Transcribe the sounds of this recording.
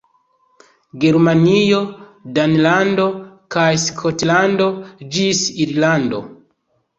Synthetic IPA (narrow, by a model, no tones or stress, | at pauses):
ɡe̞ɾmanijo̞danlando̞kajskʰotlando̞d͡ʒisiɾlando̞̰